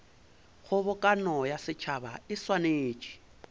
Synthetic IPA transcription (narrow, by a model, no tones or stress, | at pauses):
ɣʊβʊkʼanɔjasɪt͡ʃʰabaɪswaneːt͡ʃʼi̥